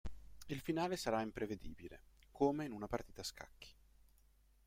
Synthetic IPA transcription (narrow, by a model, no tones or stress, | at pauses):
ilfinaːlesaɾaimpɾeved̪ḭːbilḛkʰoːmeinunapart̪iːt̪aska̰kʰːi̥